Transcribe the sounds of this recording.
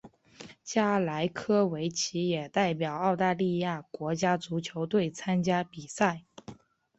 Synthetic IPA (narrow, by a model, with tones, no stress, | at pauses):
t͡ɕja˥la˧˥ɪkʰɤ˥we˧˥ɪt͡ɕʰi˧˥jɛ˨˩t̪a˥˩ɪp̬jɑ˨˩ʊɑ˥˧ʊt̪a˥˧li˥˧ja˥˩kwɔ˧˥t͡ɕja˥t͡su˧˥t͡ɕʰjo˧˥ʊt̪we˥˩ɪt͡sʰa˥nt͡ɕja˥pi˨˩sa˥˩ɪ